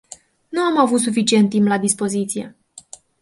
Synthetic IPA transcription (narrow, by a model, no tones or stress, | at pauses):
nuamavut̪s̬ufit͡ʃie̞nt̪ːimplad̪ispo̞zit̪sije̞̰